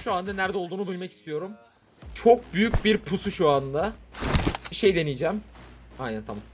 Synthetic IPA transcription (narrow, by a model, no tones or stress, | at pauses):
ʃuand̪anæɾd̪ɛolˠd̪uːnubilʲmɛci̥st̪ʰijo̞ɾum | t͡ʃʰo̞k̚byjycbiɾpʰusuʃuand̪a | ʃe̞jd̪e̞nijd͡ʒæmajnænt̪ʰamam